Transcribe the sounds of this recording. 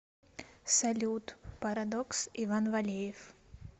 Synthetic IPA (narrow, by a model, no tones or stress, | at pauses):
sɐlʲut̪pɐɾɐd̪ɔksivanvɐlʲejɪf